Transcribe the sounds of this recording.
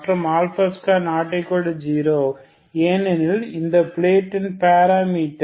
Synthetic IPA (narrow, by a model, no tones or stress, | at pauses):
ʈɾɐmaːlfɐskanaːʈːɐɪkːɔɖɯd͡ʒiːɾoː | eːnɛnɪlɪnd̪ɐpleːʈːɪnpaːɾaːmiːʈː